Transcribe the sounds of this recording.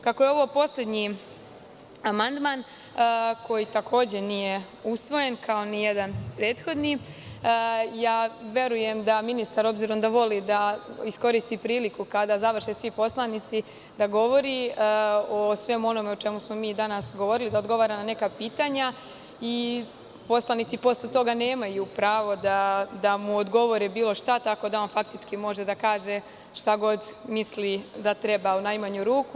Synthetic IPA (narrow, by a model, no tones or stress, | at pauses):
kako̞jeo̞ʋo̞po̞sle̞d̪ɲi | amand̪maːn | ko̞jit̪akʰo̞ːd͡ʑe̞nije̞ | usʋo̞je̞nkʰao̞nijed̪anpɾe̞ːt̪xo̞d̪ni | jaːʋe̞ɾuje̞md̪aminist̪aɾo̞bziːɾo̞md̪aʋo̞lid̪aisko̞ɾist̪ipɾiːlikukad̪azaʋr̩ʃesʋipo̞slˠanit̪si | d̪aɡo̞ʋo̞ɾi | osʋe̞muo̞no̞meo̞t͡ʃe̞musmo̞miːd̪anasɡoʋo̞ɾilid̪ao̞d̪ɡo̞ʋaːɾanane̞kapiːt̪aɲa | i | po̞slˠanit̪sipo̞slet̪o̞ɡane̞ːmajupɾaːʋo̞d̪ad̪amuod̪ɡo̞ʋo̞ɾebiːlˠo̞ʃt̪at̪ako̞d̪aonfak̚t̪it͡ʃkimo̞ʒe̞d̪akaːʒe | ʃt̪aɡo̞d̪mislid̪at̪ɾe̞baunajmaɲuɾuːku